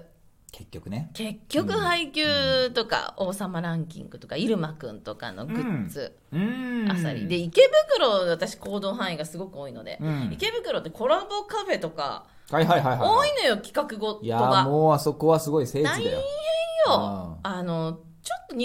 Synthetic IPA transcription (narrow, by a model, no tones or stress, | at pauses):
kʰe̞kʲːokɯ̟neke̞kʲːo̞kɯ̟haikʲɨːt̪o̞ka̰o̞ːsamaɾãŋkʲḭ̃ŋɡɯ̟t̪o̞kaiɾɯ̟makɯ̟̃nt̪o̞ka̰no̞̰ɡɯ̟t͡sɨ̰ | a̰sa̰ɾʲḭd̪e̞ike̞bɯ̟kɯ̟ɾo̞d̪at̪aɕi̥ko̞ːd̪o̞ːɦãɰ̃iɡasɨɡo̞kɯ̟o̞ːino̞̰d̪e̞̰ike̞bɯ̟kɯ̟ɾo̞t̪ːe̞ko̞ɾabo̞kaɸe̞t̪o̞ka̰ | haiɦaiɦaiɦoːino̞jo̞kʲi̥kakɯ̟ɡo̞jaoamoːaso̞ko̞βasɨɡo̞ise̞ːaiid̪ajojjoano̞ | t͡ɕot̪ːo̞ɲ